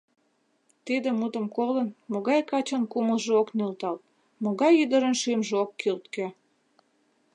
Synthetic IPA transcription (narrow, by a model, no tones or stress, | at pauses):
t̪id̪ĕmut̪ə̆mkolənmoɣɑjkɑt͡ɕənkuməlʒeoknølt̪ɑlt̪̚ | moɣɑjyd̪əɾənʃymʒeokːylt̪kĕ